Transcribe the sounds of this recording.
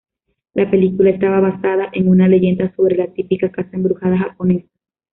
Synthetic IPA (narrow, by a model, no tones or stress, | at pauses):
lape̞likulae̞st̪aβaβasaðaʔe̞ŋunale̞ʝe̞nd̪aso̞βɾe̞lat̪ipikakasaembɾuhaðaxapo̞ne̞sḁ